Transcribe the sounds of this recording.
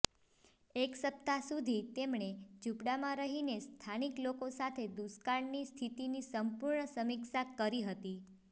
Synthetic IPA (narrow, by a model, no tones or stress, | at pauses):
eksəp̚t̪asud̪ʱit̪emɳed͡ʒupɽamãɾəɦinest̪ʰaniklokosat̪ʰed̪uskaɳnist̪ʰit̪inisəmpuɾɳəsəmiksakəɾiɦət̪i